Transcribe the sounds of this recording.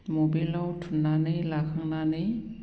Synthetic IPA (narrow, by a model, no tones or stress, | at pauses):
mobilawtʰunːanɯjlakʰaŋnanɯj